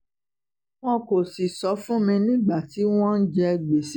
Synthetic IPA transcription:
w̃ɔ̃˦ko˨si˨sɔ˨˧˦fũ˦mĩ˧nĩ˦ɡ͡ba˦˨ti˨˦w̃ɔ̃˦n̩˦d͡ʒɛ˧ɡ͡be˨si˦

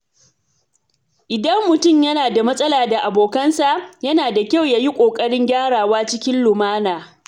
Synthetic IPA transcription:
ʔɪ˨dɐ˦mːʊ˨tʊ˦˨mjɐ˦naː˨da˨mɐ˦sʼɐ˦laː˨da˨ʔa˨boː˨kɐ˦nsa˨ʔjɐ˦naː˨da˨kʲa˦˨wjaː˦ji˦kʷʼoː˨kʼɐ˦ɽɪ˦ŋɡʲaː˦ɽaː˨waː˦t͡ʃɪ˦kʲɪ˦nlʊ˨maː˦naː˨

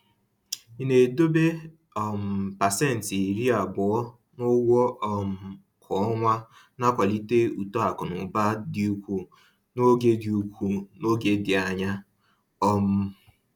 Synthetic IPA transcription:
i˨ne˨do˦be˦ | ɔ˦˨m̩˨pa˨sɛ˦n̩˨tɾi˦a˨bʊ˨ɔ˦ | nʊ˦wɔ˦ʔɔ˦˨m̩˨ | kʰɔ˨ɔ˦ŋʷa˦ | na˦kʷa˨li˦te˦u˨to˦a˨kʊ˨nʊ˨ba˦di˦u˦kʷu˦ | no˦ɡe˦di˨u˨kʷu˦no˦ɡe˦dɪ˨a˨ɲa˦ | ɔ˦m̩˦

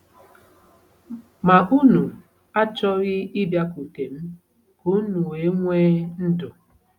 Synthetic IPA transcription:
ma˨ʔu˦nu˨ | a˦t͡ʃɔ˦ɾɪ˦ɪ˦bja˦ku˨ke˨m̩˦ | ku˨˦nu˨e˨˦ŋʷeː˦n̩˦dʊ˨

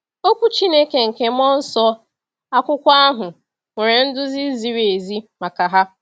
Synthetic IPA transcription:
o˦kʷu˦t͡ʃi˦ne˦ke˨ŋ̩˨ke˨m̩˦ɔ˦n̩˦sɔ˦ | a˦kʷʊ˦kʷa˦a˦ɦʊ˨ | ŋʷe˨ɾe˨n̩˦dʊ˦zi˦zi˨ɾe˨zi˦ma˨ka˨ɦa˦

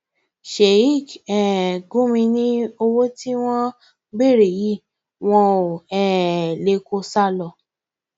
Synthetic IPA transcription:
ʃe˨i˦˨kɛ˨ɡũ˦mĩ˧nĩ˦o˧wo˦ti˦w̃ɔ̃˦ | ɡ͡be˦˨ɾe˨ji˦˨ | w̃ɔ̃˧o˨ɛ˨le˧ko˧sa˦lɔ˧˨

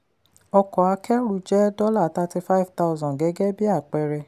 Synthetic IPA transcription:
ɔ˧kɔ˨a˧kɛ˦ɾu˦˨d͡ʒɛ˦dɔ˦la˦˨˦ta˧ti˧fa˦i˦˨vta˧u˧zɔ̃˨ɡɛ˨˦ɡɛ˦bi˦a˦˨k͡pɛ˧ɾɛ˧

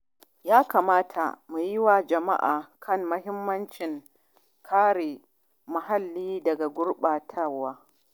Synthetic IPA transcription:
jaː˦kaː˨maː˦tʰa̰˨mu˨jɪ˦wa˨d͡ʒɐ˨ma̰˦ʔaː˨kʰɐ˦˨mːɐ˦ɦɪ˦mːɐ˦nt͡ʃɪ˨ŋ | kʰaː˦ɽeː˨ | ma˨ɦa˦lːiː˦dɐ˨ɡa˨ɡʷʊ˦ɽɓaː˨tʰɐ˦rwaː˦

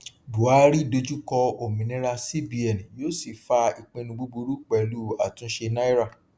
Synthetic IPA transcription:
bu˨a˦ɾi˦do˧d͡ʒu˦kɔ˧o˨mĩ˨nĩ˦ɾa˧si˦bi˧ɛ˨nĩ˨joː˦si˨fa˧i˨k͡pẽ˧nũ˧ɡ͡bu˦bu˧ɾu˦k͡pɛ˨lu˦a˨tũ˧˦ʃe˧na˦i˦ɾa˦˨

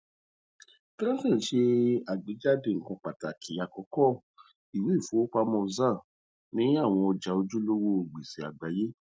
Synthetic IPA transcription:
ti˦ã˦sĩ˦˨ʃe˧a˨ɡ͡be˨˦d͡ʒa˦˨de˧˨ŋ̩˨kã˧k͡pa˨ta˨kʰi˨a˨kɔ˨˧˦kɔ˦˨ | i˨we˨˦˨fu˨˦o˦k͡pa˧mɔ̃˧zã˦˨ | nĩ˦a˦˨w̃ɔ̃˧ɔ˧d͡ʒa˨˦o˧d͡ʒu˦lo˦wo˦o˧˨ɡ͡be˨si˨a̰˨ɡ͡ba˨je˦

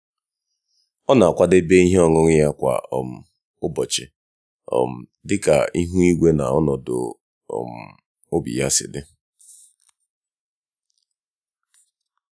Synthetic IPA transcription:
ɔ˦na˨a˨kʷa˦de˦be˦i˦ɦe˦ɔ˦ŋʊ˦ŋ˦ja˦kʷa̰˨ɔ˨m̩˨ | ʊ˦bɔ˨t͡ʃɪ˨ | ɔ̰˨m̩˨dɪ˦ka̰˨i˦ɦu˦i˦ɡʷe˦na˨ɔ˦nɔ˨dʊ̰˨ | ɔ̰˨m̩˨ | o˦bḭ˨ja˦sɪ̰˨dɪ˦

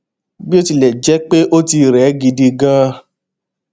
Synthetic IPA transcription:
bi˦o˦ti˧lɛ˨d͡ʒɛ˦k͡pe˦ʔo˦ti˧ɾɛ˨˦ɡi˧di˧ɡã˦

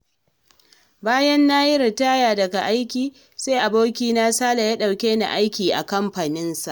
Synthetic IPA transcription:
baː˦jɐ˦nːaː˦jɪ˦ɾɪ˨taː˦jaː˨dɐ˨ɡa˨ʔa˦jkʲiː˨ | seː˦ʔa˨boː˦kʲiː˦na˦saː˦la˨ja˦ɗa˨wkʲeː˦na̰˨ʔa˦jkʲiː˨ʔa̰˨kɐ˦mɸaː˨nɪ˦nsa˨ʔ

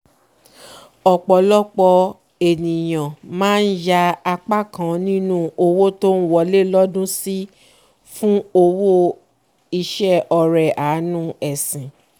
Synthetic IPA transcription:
ɔ˨k͡pɔ˨lɔ˦k͡pɔ˧ | e˨nĩ˨j̃ã˨mãː˦n̩˦ja˧˦a˧k͡pa˦˨kã˨nĩ˦nũ˦o˧wo˦to˦n̩˦wɔ˧le˦lɔ˦dũ˦si˦ | fũ˦o˧wo˦ | i˧ʃɛ˦ɔ˧ɾɛ˨ʔa˨˦nũ˦ɛ˨sĩ˨

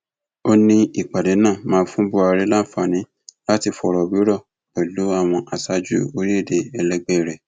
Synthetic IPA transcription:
o˦nĩ˦i˨k͡pa˨de˨˦nãː˦˨mãː˨˦˧fũ˦bu˦a˧ɾe˦la˦fa˦˨nĩ˨˦ | la˦ti˧fɔ˨˧ɾɔ˨wi˨˦ɾɔ˦˨ | ɛ˨lu˨˦a˦˨w̃ɔ̃˧ʔa˧sa˧d͡ʒu˦o˧ɾi˦e˦˨de˨ɛ˧lɛ˦ɡ͡bɛ˦˨ɾɛ˨

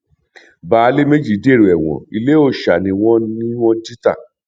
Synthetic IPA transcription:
baː˨˦le˦me˦d͡ʒi˦˨˦de˦˨ɾu˨ɛ˨w̃ɔ̰̃˨i˧le˦o˧ʃa˨nĩ˧w̃ɔ̃˦nĩ˦wɔ̃˦di˦ta̰˦˨

